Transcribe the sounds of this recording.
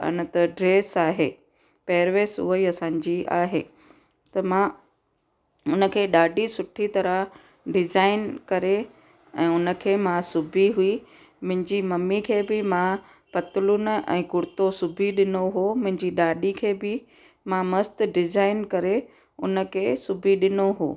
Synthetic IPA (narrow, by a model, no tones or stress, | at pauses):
ə̰nə̆t̪ɐɖɾeːsaːɦeː | peːɾʋeːsʊ̰ɦəiɐsãːɲd͡ʑia̰ːɦeː | t̪ɐmã | ʊnə̆kʰeːɗaːɖisʊʈʰit̪ɐɾə | ɖɪzaːɪnkɐɾe | ɛ̃ːʊnə̆kʰeːmãsʊbʱiɦui | mʊ̃ɦɪ̃ɲd͡ʑimɐmːikʰeːbɪmã | pɐt̪ɪlʊn̆ɛ̰̃ːkʊɽɪt̪osʊbʱiɗɪnoɦomʊ̃ɦɪ̃ɲd͡ʑiɗaːɗikʰeːbɪ | mãmɐst̪ɖɪzaːɪnkɐɾe | ʊ̰nə̆kʰeːsʊbʱiɗɪnoɦo̰ː